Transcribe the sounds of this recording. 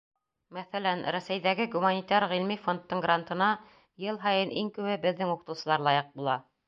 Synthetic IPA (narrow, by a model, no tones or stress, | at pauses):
mæθælænɾæsæjðæɡɘɡumanʲit̪ɑɾʁilmifo̞nt̪ːɤŋɡrant̪ɤ̆nɑ | jɤlˠɦɑjɤnʔiŋkɘ̆wɘbɘ̆ðːɘŋuqɤ̥̆t̪ɤ̆wsɤ̆lˠɑɾlˠɑjɤq̚bulˠɑ